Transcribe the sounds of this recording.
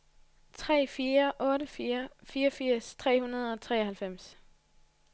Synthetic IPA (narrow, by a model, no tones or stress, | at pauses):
t͡sʰʁɛ̰ːfiːɐʔɔ̽ːɾəfiːɐfiːɒfiɐ̰st͡sʰʁɛ̰ːhunɐð̞̩ˠɒ̽t͡sʰʁɛ̰ːɐhælfem̰s